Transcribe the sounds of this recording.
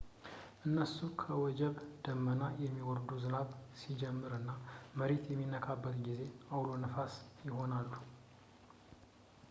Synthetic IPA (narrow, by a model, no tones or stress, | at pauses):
ʔɨnːəsːukʰəwɔd͡ʒɛβd̪̥əmːənajɛmːiwɔɾd̪uzɨnaβsid͡ʒɛmːɨɾɨnːaməɾet̪jɛmːinːəkʰabːət̪ɡize̞awlonəfasjɪho̞nalːu